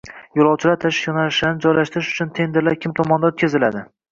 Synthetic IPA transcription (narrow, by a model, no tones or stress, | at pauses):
jolˠɒwt͡ʃʰɪlaɾt̪ʰaʃɪʃjɒnalɪʃlanɪd͡ʒɒjlaʃt̪ɪɾɪʃʊ̥t͡ʃʰʊnt̪ʰe̞nd̪eɾlaɾkʲʰɪmt̪ʰɒmɒnd̪aɵt̪̚ʲkʰʲazɪlad̪ɪ